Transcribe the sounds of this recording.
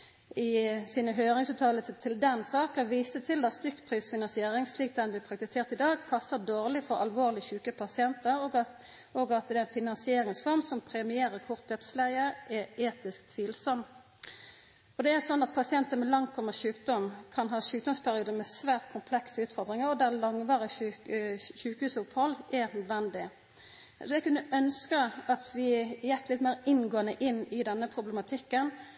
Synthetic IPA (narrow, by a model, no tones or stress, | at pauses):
ɪsiːnəɦøːʁɪŋsʉːt̪ʰɑːlət̪ʰɪld̪ɛnsɑːkəʋiːst̪ət̪ʰɪld̪ɑtst̪ʏkːpʰʁiːsfɪnɑnsɪeːɾɪŋsliːk̚d̪ɛnblɪːpʰɾɑk̚t̪ɪseːʁt̪ɪd̪ɑːɡpʰɑsːəd̪oːʁlɪfɔʁɑlʋoːʁlɪçʉːkəpʰɑsɪɛnt̪ə | oːɡɑt̪̚d̪ɛɛnfɪnɑnsɪeːɾɪŋsfɔʁmsɔmpʰɾɛmɪeːɾəɾkʰʊʁt̪̚d̪œt̪slæɪəʔɛeːt̪ɪskt̪ʰʋiːlsɔm | ɔd̪ɛæʁsɔnːɑt̪̚pʰɑsɪɛnt̪ənmɛlɑŋt̪ʰɔmːəʃʉːkd̪ɔmkʰɑnɦɑːʃʉːk̚d̪ɔmspʰæʁɪuːd̪əmɛsʋæːʁt̪kʰʊmpʰlɛksəʉːt̪fɔʁd̪ɾɪŋəɾɔd̪æʁlɑŋʋɑːɾə | ʃʉːkəhʉːsʊphɔlːɛnœd̪ʋɛnd̪ɪ | sɔɛɡkʉnːəʔœnskəɑt̪ʋɪjɛt̪ːlɪt̪mæːɾɪnɡoːənəʔɪnːɪd̪ɛnːəpʰɾʊbləmɑt̪ʰɪkːən